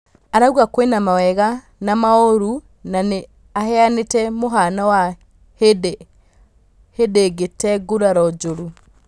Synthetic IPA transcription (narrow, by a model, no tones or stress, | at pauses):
aɾawakwenamawɛɣa | namaoɾu | nane | ahɛanetɛmoɦanawa | hede | hedeɡetɛɡuɾaɾɔd͡ʒoɾu